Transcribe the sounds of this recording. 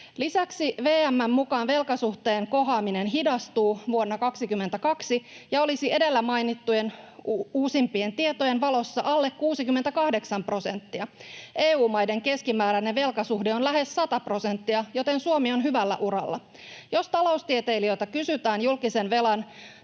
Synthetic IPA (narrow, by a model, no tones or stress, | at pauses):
lisæksiʋe̞ːæmːæmːukɑːnʋe̞lkɑsuht̪eːŋko̞ɦɑːminenɦidɑst̪uːʋuonːɑkɑksikymːent̪ækɑksijɑo̞lisie̞de̞lːæmɑjnit̪ːuje̞nuːsimpie̞nt̪ie̞t̪ojenʋɑlo̞sːɑʔɑlːekkuːsikymːent̪ækɑhde̞ksɑmpro̞se̞nt̪ːiɑeːuːmɑjde̞ŋke̞skimæːɾæneʋe̞lkɑsuhdeo̞nlæɦe̞sːɑt̪ɑpro̞sent̪ːiɑjo̞t̪e̞nsuomio̞nɦyʋælːæ̰ʔuɾɑ̰lːɑ̰ | jo̞st̪ɑlo̞ust̪iet̪e̞jliø̞jt̪ɑkysyt̪æːnjulkisenʋe̞lɑn